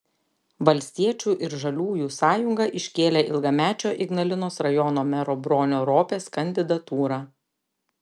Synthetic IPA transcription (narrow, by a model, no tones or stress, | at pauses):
ʋɐlʲsʲt̪ʲiɛt͡ʃʲuːʔɪɾʒɐlʲuːjuːsɑːjʊŋɡɐʔɪʃʲkʲeːlʲeːʔɪlˠɡɐmʲæːt͡ʃʲoːʔɪɡnɐlʲɪnoːsɾɐjɔnoːmʲɛɾɔːbɾoːnʲoːɾoːpʲeːskɐnʲd̪ʲɪd̪ɐt̪uːɾɑː